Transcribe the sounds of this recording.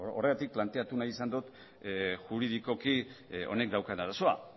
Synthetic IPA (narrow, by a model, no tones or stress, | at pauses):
o̞reɣat̪ik̚plant̪e̞at̪unaisand̪ut̪ | ʝuɾiðiko̞kio̞̰ne̞kd̪awkanaɾaso̞a̰